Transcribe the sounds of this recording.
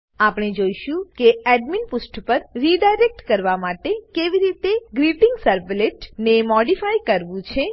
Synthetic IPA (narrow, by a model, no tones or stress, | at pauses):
apɳ̃ed͡ʒoiʃũkeɛɖminpusʈpəɾɾiɖajɾek̚ʈkəɾʋamaʈekeʋiɾit̪eɡɾipɪ̃ŋɡsəɾbleʈnemɔɖifajkəɾʋũt͡ʃʰe